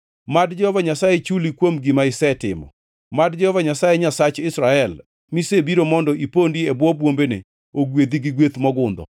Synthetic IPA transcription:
madd͡ʒɔhɔvaɲasajet͡ʃulikwomɡɪmaɪsɛtɪmɔ̰ | madd͡ʒɔhɔvaɲasajeɲasat͡ʃɪsɾaɛl | misebiɾomɔndɔʔipondiebwɔbwombenḛ | oɡwed̪iɡɪɡwet̪mɔɡʊnd̪ɔ̰

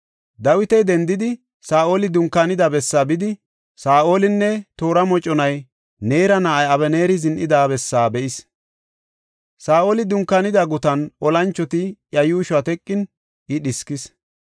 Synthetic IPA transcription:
d̪ɐwɪt̪ɛjd̪ɛnd̪ɪd̪ɪ | saːʔo̞ːlɪd̪ʊŋkːanɪd̪ɐbɛsːaːbɪd̪ɪ | saːʔo̞ːlɪnːɛt̪o̞ːɾɐmɔt͡ʃʼːɔnɐj | ne̞ːɾɐnaːʔɐjɐβɛneːɾɪzɪnʔɪd̪aːbɛsːaːbɛʔɪs | saːʔo̞ːlɪd̪ʊŋkːɐnɪd̪ɐɡʊt̪ɐnʔɔlɐnt͡ʃːɔt̪ɪjɐjuːʃɐt̪ɛkʼːɪn | ɪɗɪskɪs

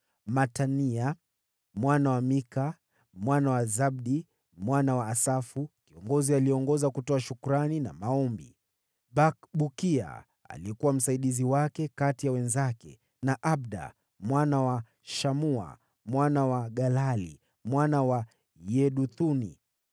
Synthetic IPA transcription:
matania | mwanawamika | mwanawazabɗi | mwanawaːsafukiɔŋɡɔzialiɛɔŋɡɔzakutɔaʃukuɾanina̰maɔmbḭ | bakɓukia̰ | a̰liɛkuwam̩saiɗiziwakɛkatijawɛnzakɛ̰ | naʔabɗa̰ | mwanawa | ʃamua̰ | mwanawaɠalalḭ | mwanawa | jɛɗuθunḭ

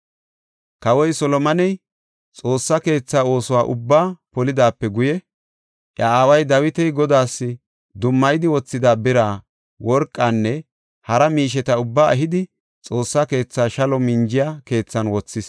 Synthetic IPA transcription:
kɐwɔjsɔlɔmɐnɛj | t͡sʼo̞ːsːɐke̞ːt͡sːaːo̞ːsɔwaːʔʊbːaːpɔlɪd̪aːpːɛɡʊjɛ | ʔjɐaːwɐjd̪ɐwɪt̪ɛjɡɔd̪aːsːɪ | d̪ʊmːɐjd̪ɪwɔt͡sːɪd̪aːbɪɾaː | wɔɾkʼːaːnːɛ | hɐɾɐmiːʃ̬ɛt̪ɐʊbːaːɐɦɪd̪ɪ | t͡sʼo̞ːsːɐke̞ːt͡sːaːʃɐlɔmɪnd͡ʒɪjaːke̞ːt͡sːɐnwɔt͡sːɪs

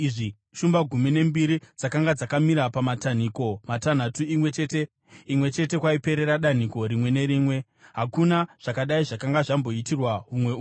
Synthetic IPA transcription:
iʐi | ʃumbaɡʱumine̞mbiɾid͡zakaŋɡad͡zakamiɾapamatan̤iko̞matan̤atuimwe̞t͡ʃe̞ːte | imwe̞t͡ʃe̞te̞kwaipe̞ɾe̞ɾaɗan̤iko̞ɾimwe̞ne̞ɾiːmwe̞ | ɦakunaʐ̥akaɗaiʐakaŋɡaʐambo̞itirwaɦumwe̞u

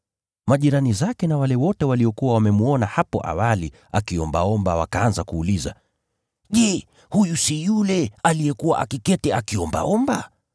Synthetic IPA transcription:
maʄiɾanizakɛnawalɛwɔtɛwaliɔkuwawamɛmuɔnahapɔ̰ʔa̰wali | akiɔmba̰ɔmbawa̰kaanzakuːliza̰ | ʄɛ | hujusijulɛalijɛkuwa̰ʔa̰kikɛtɛakiɔmba̰ɔmba

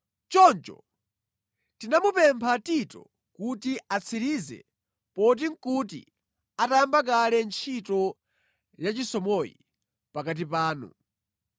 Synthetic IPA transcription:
t͡ʃɔnt͡ʃɔ̰ | tinamupɛmpʰatitɔ̰ | kutiat͡sʰiɾizɛ̰ | pɔt̬iŋ̩kut̬ḭ | atambak̬alɛnt͡ʃʰitɔ | jat͡ʃisɔmɔjḭ | pakat̬ipaːnṵ

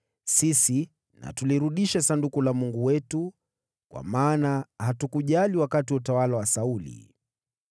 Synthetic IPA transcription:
sisi | na̰tuliɾuɗiʃasandukulamuŋɡuwɛtu | kwa̰maːnahatukuʄaliwakatiwutawalawasaulḭ

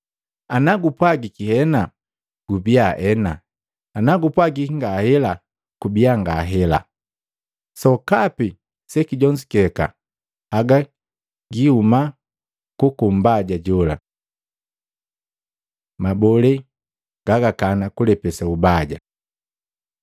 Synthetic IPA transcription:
anaɡupwaɡikihɛna | ɡ̥ubiaʔɛnaː | naɡupwaɡiŋɡahɛla | kubiaŋɡaɦɛla̰ | sɔkapi | sɛkiɟɔɲd͡ʒikɛka̰ | aɡa | ɡihuma | kukum̩baɟaɟɔla̰ | mabɔlɛ | ɡ̥aɡakanakulɛpɛsaubaɟa̰

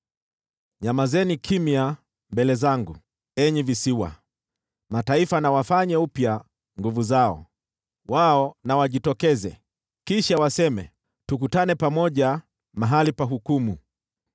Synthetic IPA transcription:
ɲamazɛnikʰimia | mbɛlɛzaŋɡu | ɛɲivisiwa̰ | mataifanawafaɲaupja | ŋɡuvuzaɔ̰ | waɔnawaʄitɔkɛzɛ̰ | kiʃawasɛmɛ̰ | tukutanɛpamɔʄa | maɦalipaɦukumu

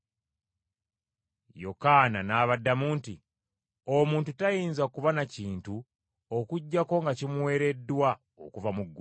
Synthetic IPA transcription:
jo̞̰kananaːβadːamuːnti | omuːntutajiːnzakuvanaciːntu | okuɟːako̞ŋɡacimwe̞ːɾe̞dːwa | o̰kuvamuɡːu

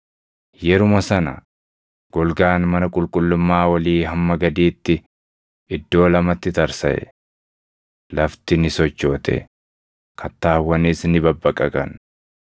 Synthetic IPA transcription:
jɛɾʊmɐsɐnɐ̰ | ɡ̥ɔlɡaːnmɐnɐkʼʊlkʼʊlːʊmːaːwɐliːɦɐmːɐɡɐd̪iːt̪ːɪ | ɪd̪ːo̞ːlɐmɐt̪ːɪt̪ɐɾsɐ̰ʔɛ̰ | lɐft̪ɪnɪsɔt͡ʃːo̞ːt̪ʰɛ̰ | kʰɐt̪ːaːwːɐnisnɪbɐbːɐkʼɐkʼɐn

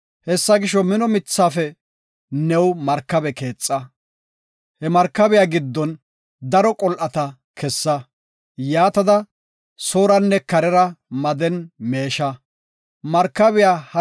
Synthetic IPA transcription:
hɛsːɐɡɪʃɔmɪnɔmɪt͡sːaːfɛ | nɛwmɐɾkːɐbɛke̞ːt͡sʼːɐ | hɛmɐɾkːɐbɛjaːɡɪd̪ːɔn | d̪ɐɾɔkʼɔlʔɐt̪ɐ | kʰɛsːɐ | jaːt̪ɐd̪ɐ | soːɾɐnːɛkɐɾɛɾɐmɐd̪ɛnme̞ːʃɐ | mɐɾkːɐbɪjaːhɐ

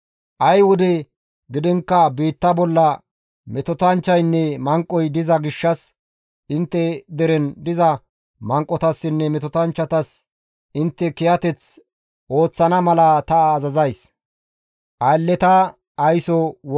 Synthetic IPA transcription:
ʔɐjwʊd̪ɛ | ɡɪd̪ɪŋkːɐbiːt̪ːɐbɔlːɐ | mɛt̪ɔt̪ɐnt͡ʃːɐjnːɛmɐŋkʼːɔjd̪ɪzɐɡɪʃːɐs | ʔɪnt̪ːɛd̪ɛɾɛnd̪ɪzɐ | mɐŋkʼːɔt̪ɐsːɪnːɛmɛt̪ɔt̪ɐnt͡ʃːɐt̪ɐs | ɪnt̪ːɛkɛjɐt̪ɛt͡s | o̞ːt͡sːɐnɐmɐlɐt̪ɐːzɐzɐjs | ʔɐjlːɛt̪ɐ | ɐjsɔw

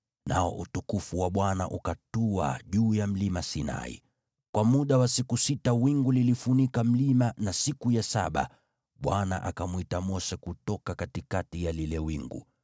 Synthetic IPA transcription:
naɔ̰ʔutukufuwaɓwana̰ʔukatua̰ʄuːjam̩limasina̰ḭ | kwamuɗawasikusitawiŋɡulilifunikam̩limanasikujasa̰ɓa̰ | ɓwana̰ʔakamwitamɔʃɛkutɔkakatikatijalilɛwiŋɡṵ

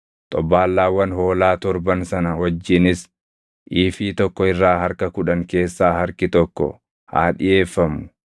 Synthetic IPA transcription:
t̪ʼɔbaːlːaːwːɐnho̞ːlaːt̪ɔɾbɐnsɐnɐwɐd͡ʒːɪnɪs | ʔiːfiːt̪ɔkːɔɪrːaːhɐɾkɐkʊᶑɐŋke̞ːsːaːhɐɾkɪt̪ɔkːɔ̰ | ha̰ːᶑɪje̞ːfːɐmʊ

